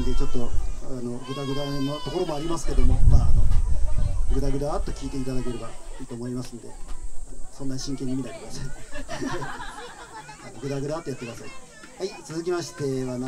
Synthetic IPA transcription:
nd̪e̞t͡ɕo̞t̪ːo̞ano̞ɡɯ̟d̪aɡɯ̟d̪anot̪o̞ko̞ɾo̞moaɾʲimasɨ̥ked̪o̞moa | ɡɯ̟ɾaɡɯ̟d̪aːt̪ːokʲiːt̪e̞it̪ad̪ake̞ɾebaiːt̪o̞ːmoimasɨ̃nd̪e̞̰ | sõ̞nːaɲɕĩŋke̞ɲ̟ːimʲinakekɯd̪asai | anoɡɯd̪aɡɯ̟ɾat̪ojat̪ːekɯd̪asai | hait͡sɨzɨkʲimaɕi̥t̪e̞βana

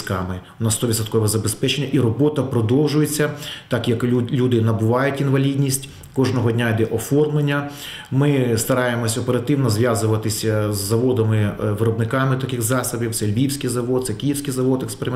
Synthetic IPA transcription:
kɑ̰mɪ | nɑst̪ɔʋʲid̪sɐt̪̚kɔʋɛzɐbespɛt͡ʃenʲːɐʔiɾɔbɔt̪ɐpɾɔd̪ɔwʒʊjet͡sʲːɐt̪ɑkjɐklʲud̪ɪnɐbʊʋɑjʊtʲinʋɐlʲidʲnʲisʲtʲ | kɔʒnɔɦɔdʲnʲaid̪ɛʔɔfɔrmlˠenʲːɐ | mɪst̪ɐɾɑjemɔsʲɔpeɾɐt̪ɪwnɔzʋjazʊʋɐt̪ɪsʲɐzːɐʋɔd̪ɐmɪʋɪɾɔbnɪkɑmɪt̪ɐkɪxzɑsɐbʲiwt̪sɛlʲbʲiwsʲkijzɐʋɔd̪̚t̪sɛkʲijiwsʲkijzɐʋɔt̪ekspeɾɪm

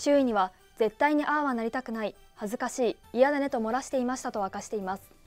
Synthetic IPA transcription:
ɕɨːiɲ̟iβa | d͡ze̞t̪ːaiɲ̟iʔaːβanaɾʲit̪akɯ̟nai | hazɨkaɕiː | ijad̪ane̞t̪o̞mo̞ɾaɕi̥t̪e̞imaɕi̥t̪at̪o̞βakaɕi̥t̪e̞imasɨ̥

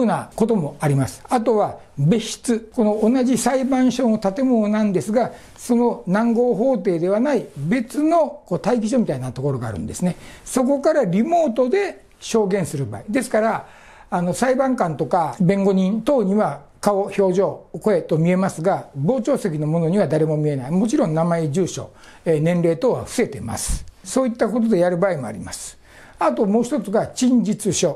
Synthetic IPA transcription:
nako̞t̪o̞mo̞aɾʲimasɨ̥at̪o̞βabe̞ɕi̥t͡sɨko̞no̞ːnaʑisaibãɰ̃ɕõ̞ot̪at̪e̞mononãnd̪e̞sɨɡa | so̞no̞nãŋɡo̞ːɦo̞ːt̪e̞ːd̪e̞βanaibe̞t͡sɨno̞koːt̪aikʲiɕ̬o̞mit̪ainat̪o̞ko̞ɾo̞ɡa̰ːɾɯ̟̰̃nd̪e̞sɨne̞so̞k̬o̞kaɾaɾʲimo̞ːt̪o̞d̪e̞ | ɕo̞ːɡẽɰ̃sɨɾɯ̟ba̰ːid̪e̞sɨ̥kaɾaː | no̞saibãŋkãnt̪o̞kabẽ̞ŋɡo̞ɲ̟ĩnt̪o̞ːɲ̟iβa | kao̞ço̞ːʑo̞ːko̞e̞t̪o̞mʲie̞masɨɡabo̞ːt͡ɕo̞ːse̞k̬ʲino̞mo̞no̞ɲ̟iβad̪aɾe̞mo̞mʲie̞naimo̞t͡ɕiɾõ̞nnamaed͡ʑɨːɕo̞̰ | enẽnɾe̞ːt̪oːβa̰ɸɯ̥se̞t̪e̞ma̰sɨ̥so̞ːit̪ːako̞t̪od̪e̞jaɾɯ̟baːimo̞a̰ɾʲimasɨ̥ | at̪o̞mo̞ːçi̥t̪o̞t͡sɨɡaɕĩɲd͡ʑit͡sɨɕo̞

